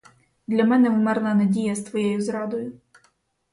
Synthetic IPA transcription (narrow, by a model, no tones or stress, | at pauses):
d̪lʲɐmɛnɛwmɛrnɐnɐdʲijɐst̪ʋɔjɛjʊzɾɑd̪ɔjʊ